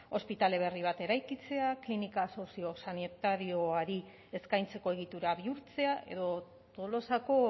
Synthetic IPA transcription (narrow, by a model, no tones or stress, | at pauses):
o̞spit̪ale̞β̞e̞riβ̞at̪e̞ɾajkit͡se̞aklinikaːso̞sio̞sanit̪aɾio̞aɾi | e̞skajnt͡se̞ko̞e̞ɣ̞it̪uɾaβiuɾt͡se̞aʔe̞̰ðo̞ | t̪o̞lo̞sako̞